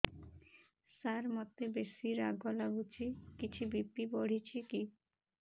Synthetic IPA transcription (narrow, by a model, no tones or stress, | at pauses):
saɾmɔt̪ebesiɾaɡɔlaɡut͡ɕʰikit͡ɕʰubipːiboɽ̤it͡ɕʰiki